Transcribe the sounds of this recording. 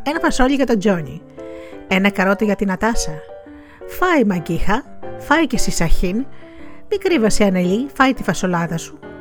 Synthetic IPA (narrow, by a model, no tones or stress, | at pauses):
e̞nɐfɐsoʎiʝɐt̪o̞d͡ʒo̞ɲḭ | e̞nɐkɐɾo̞t̪eʝɐt̪inɐt̪ɐsɐ | fɐimɐɲɟixɐfɐicesisɐçinmikɾivɐsiɐnelifɐjt̪ifɐso̞lɐðɐsu̥